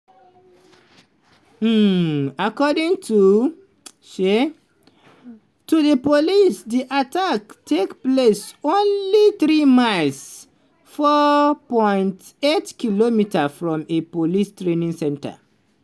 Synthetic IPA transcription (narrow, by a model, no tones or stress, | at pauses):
akɔdĩŋtʰu | ʃe | tuðəpolisdiʔataktʰekplesõnliθɹimaɪls | fɔpɔ̃ɪj̃ntetkilomitʰəfɹɔ̃mepolistɹẽnĩŋsɛ̃ntə̰